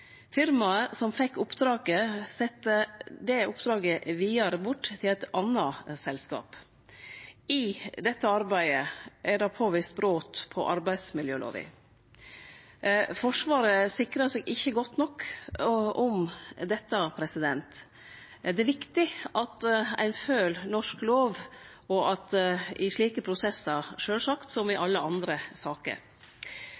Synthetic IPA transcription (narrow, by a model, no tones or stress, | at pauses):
fɪɾmɑsɔmfɛkːʊpd̪ɾɑːɡəsɛt̪ːəd̪ɛʊpd̪ɾɑːɡəʋiːəɾbʊʈːt̪ʰɪlæɪt̪ɑnːɑsɛlskɑ̰ːp | ɪd̪ɛt̪ːəɑɾbæɪəʔæɖɑpʰoːʋiːst̪̚bɾoːt̪pʰɔ̰ʔɑɾbæɪd̪smɪljøːlo̰ːʋɪ̰ | fɔʂʋɑːɾəsɪkɾəsɛɡɪçːəɡɔt̪ːnɔkː | ʊmd̪ɛt̪ːəpʰɾɛsɪd̪ɛnt̪ | d̪ɛæɾʋɪkt̪ɪɑt̪æ̰ɪnføːlnɔʂkloːʋ | ɔʔɑt̪ɪʂɭiːkəpʰɾʊsɛsːəɾʂøːlsɑkt̪sɔmɪʔɑlːəɑnd̪ɾəsɑːkə̰ɾ